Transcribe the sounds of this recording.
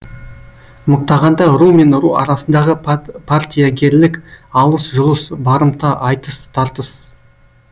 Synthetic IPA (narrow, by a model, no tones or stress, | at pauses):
mʊq̚t̪ɑʁɑnd̪ɑɾume̞nʊɾuɑ̰ɾɑsənd̪ɑʁəpʰart̪ʲijaɡʲe̞ɾlɪkʲɑlˠəsʒʊlˠəsbɑɾəmt̪ɑʔɑjt̪əst̪ʰɑɾt̪əs